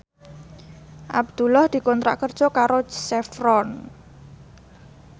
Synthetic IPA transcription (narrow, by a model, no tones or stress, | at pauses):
ʔa̰b̚d̪̥ṳlahd̪̥i̤kɔnt̪ɾa̰ʔkərd̥ʒ̥ɔkaɾosɛfɾɔn